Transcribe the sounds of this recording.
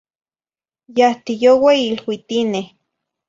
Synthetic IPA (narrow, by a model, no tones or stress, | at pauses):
jaht̪ijoweilwit̪ineh